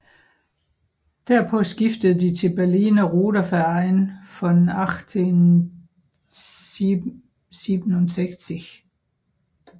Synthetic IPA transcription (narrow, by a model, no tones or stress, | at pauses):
d̥æɐpʰɒ̽sɡ̥ifd̥əð̩ˠd̥it͡sʰe̝lb̥æɐliːnæʁo̝ːɾ̥ɐfæɐɪnfɒ̽nɑɡ̥t͡sʰen | siːb̥n̩onseɡ̥siɡ